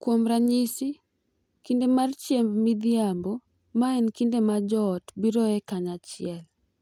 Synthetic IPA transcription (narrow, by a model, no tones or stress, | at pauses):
kwomɾaɲisi | kindemart͡ʃjembmid̪iambɔ | maɛnkindemad͡ʒɔtbiɾɔɛkaɲat͡ʃɪɛl